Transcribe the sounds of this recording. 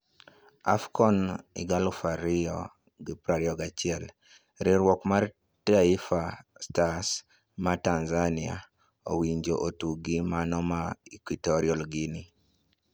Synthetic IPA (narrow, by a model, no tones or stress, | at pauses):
a̰fkɔnḭɡalufaɾiɔ | ɡipɾaɾiɔɡat͡ʃɪɛl | ɾɪɾwɔkmar | taifastas | matanzania̰ | o̰wiɲd͡ʒoʔotuɡimanɔmaikwitɔɾiɔlɡinɪ